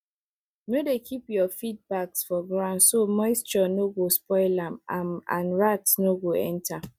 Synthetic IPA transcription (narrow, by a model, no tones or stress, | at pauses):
nodekʰipjɔfid̚baksfɔɡɹãʊ̃ndsomɔɪst͡ʃɔnoɡospɔɪlamaã̰nɹatsnoɡoɛ̰̃ntʰa